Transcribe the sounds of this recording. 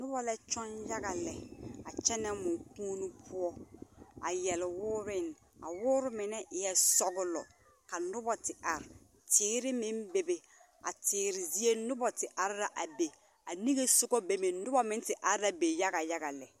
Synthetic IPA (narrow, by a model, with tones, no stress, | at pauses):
nʊ˦bɔ˦lɛ˦t͡ʃɔ˦nja˦ɡa˨lɛ˨a˨t͡ʃɛ˦nɛ˦mʊ˨puː˦nu˦pʰʊ˦ɔ˦a˨jɛ˨lwʊː˦ɾɪ˦n˨ | a̰˨wʊː˦ɾʊ˦mɪ˨nɛ˦ʔɪ˨jɛ˦sɔ˦ɡʊ˦lɔ̰˨ | ka˨nʊ˦bɔ˨tɪ˨ʔa˨ɾɪ˨ | tʰɪː˦ɾɪ˦mɪ˦nbe˨be˨ | a̰˨tɪː˨ɾɪ˨zi˦e˦nʊ˦bɔ˨tɪ˨ʔa˨ɾɪ˦ɾa˦ʔa˨be˨ | a˨ni˦ɡe˦sʊ˦ɡɔ˦be˨me˨nʊ˦bɔ˦mɪ˦n˦tɪ˨ʔa˨ɾa˦be˨ja˦ɣa˨ja˦ɡa˨lɛ˨